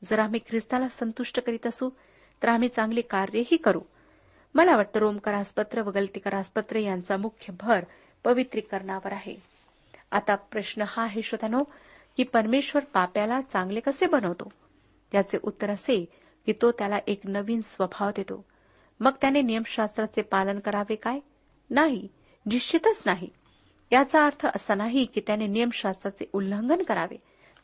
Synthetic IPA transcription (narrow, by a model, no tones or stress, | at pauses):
d͡zəɾam̤iːkʰɾist̪alasənt̪uʂʈəkəɾiːt̪əsũː | t̪əɾam̤iːt͡sãŋɡlekaɾjəɦiːkəɾṵː | məlaʋaʈ̚t̪əɾomkəɾaspət̪ɾəʋəɡəlt̪ikəɾaspət̪ɾəjant͡samukʰjəbʱəɾ | pəʋit̪ɾikəɾɳaʋəɾaɦḛ | a̰t̪apɾəɕnəhaɦeɕʋəd̪ʱano | kiːpəɾmeɕʋəɾpapjalat͡sãŋɡlekəsebənəʋt̪o | t̪jat͡seʔut̪ːəɾəse | kit̪ot̪jalaʔeknəʋiːnsʋəbʱaʋd̪et̪o̰ | məɡ̚t̪janenijəmɕast̪ɾat͡sepalənkəɾaʋekaj | naɦi | niɕt͡ɕit̪ət͡snaɦḭ | t̪jat͡saːɾt̪ʰəʔəsanaɦikiːt̪janenijəmɕast̪ɾat͡seʔulːəŋɡənkəɾa̰ʋḛ